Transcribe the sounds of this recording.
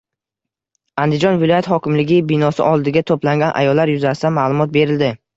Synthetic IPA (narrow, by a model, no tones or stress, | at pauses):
and̪ɪd͡ʒɒnvɪlˠɒjat̪hɒkʲɪmlɪɡʲɪbɪnɒsɪ̰ʔɒlˠd̪ɪɡʲat̪ʰoplaŋɡʲanʔa̰jɒlːaɾjʊzasɪd̪amalˠʊmɒt̪̚be̞ɾɪld̪ɪ